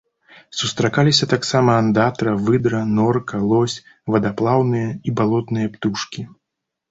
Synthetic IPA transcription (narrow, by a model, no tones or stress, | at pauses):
sust̪ɾakalʲisʲɐt̪aksamɐːnd̪at̪ɾɐvɨd̪ɾɐnɔrkɐlˠɔsʲ | vɐd̪aplˠawnɨjɐibalˠɔt̪nɨjɐpt̪uʂkʲi